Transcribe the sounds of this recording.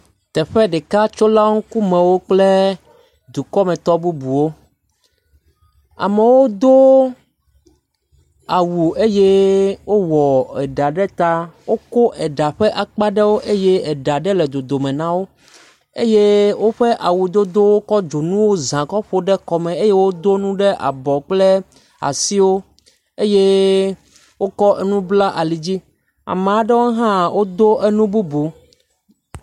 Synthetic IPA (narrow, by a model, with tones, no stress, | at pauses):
t̪ɛ˨ɸɛ˦ɖɛ˨ka˦t͡ʃo˦la˦ŋũ˦ku˦mɛ̃˨wo˦k͡ple˦ | d̪u˨kɔ˦mɛ̃˨t̪ɔ˦bu˦bu˨wo˦ | a̰˨mɛ˨wo˦d̪o˦ | a˨wu˨e˦je˦wo˦wɔ˨ɛ˨ɖa˨ɖɛ˦t̪a˦wo˦ko˦ʔɛ˨ɖa˨ɸɛ˦ʔa˨k͡pa˦ɖɛ˦wo˦ʔe˦je˦ɛ˨ɖa˨ɖɛ˦lɛ˨d̪o˨d̪o˨mɛ̃˨nã˦wo˦ | ḛ˦je˦wo˦ɸe˦ʔa˨wu˨d̪o˦d̪o˦wo˦kɔ˦d͡ʒo˨nũ˦wo˦zã˨kɔ˦ɸo˦ɖɛ˦kɔ˨mɛ̃˨e˦je˦wo˦d̪o˦nũ˦ɖɛ˦ʔa̰˨bɔ˨k͡ple˦ | a̰˨si˦wo˦ | e˦je˦ | wo˦kɔ˦ʔe˦nũ˦bla˦ʔa˨li˨d͡ʑi˦ | a̰˨mẽ˨a˦ɖɛ˦wo˦ɦã˦wʔo˦d̪o˦ʔe˦nũ˦bu˦bu˨